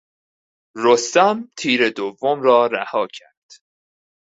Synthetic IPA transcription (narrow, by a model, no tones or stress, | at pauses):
ɾost̪ɒmt̪ʰiːɾe̞d̪ovːomɾɒːɾæhɒːcʰæɾd̪̥